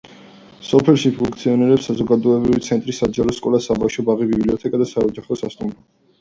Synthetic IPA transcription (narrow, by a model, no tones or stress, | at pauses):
sɔpʰɛlʃipʰuŋkʰʼt̪sʰiɔnɛɾɛpsazɔɡad̪ɔɛbɾivit̪sʰɛnt̪ʼɾisad͡ʒaɾɔskʼɔlasabafʃɔbaʁibibliɔt̪ʰɛkʼad̪asaɔd͡ʒaχɔsast̪ʼumɾɔ